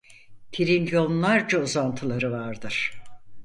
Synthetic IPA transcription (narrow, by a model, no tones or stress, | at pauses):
t̪ʰiɾinjo̞nnlˠaɾd͡ʒauzant̪ʰɯlˠaɾɯvaɾd̪ɯɾ̥